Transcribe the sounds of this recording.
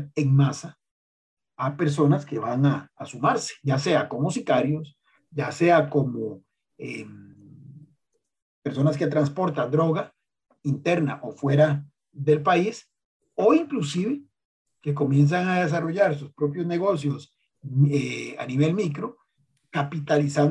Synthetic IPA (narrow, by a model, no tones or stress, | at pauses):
eŋmasa | ape̞ɾs̬o̞naske̞βaŋaːsumaɾse̥ʝase̞ako̞musikaɾjo̞s | ɟ͡ʝase̞akomo | em | peɾso̞naske̞t̪ɾanspo̞ɾt̪ad̪ɾo̞ɣa | int̪e̞ɾna̰ʔo̞fwe̞ɾa | ðe̞lpais | o̞iŋklus̬iβe̞ | ke̞k̬o̞mje̞ns̬aŋað̞e̞s̬aro̞ʝaɾs̬uspɾo̞p̬jo̞zne̞ɣo̞s̬jo̞s | ea̰niβe̞lmikɾo̞ | kapit̪alisan